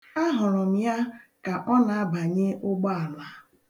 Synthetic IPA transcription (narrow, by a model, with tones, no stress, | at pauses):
a˦ɦʊ˨ɾʊ˨m̩˦ja˦ka˨ʔɔ˦na˨a˦ba˨ɲɪ˦ʊ˦ɡ͡bɔ˦a˨la˨